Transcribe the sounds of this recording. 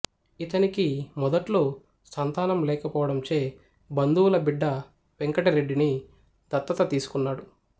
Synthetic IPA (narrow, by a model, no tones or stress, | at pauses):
it̪ɐnikimɔd̪ɐʈlo̞ː | sɐnt̪aːnɐmlɛːkɐpɔːʋɐɽɐmt͡ʃe̞ː | bɐnd̪uːlɐbiɖːɐ | ʋeŋkɐʈɐɾe̞ɖːini | d̪ɐt̪ːɐt̪ɐt̪iːsu̥kunːaːɽu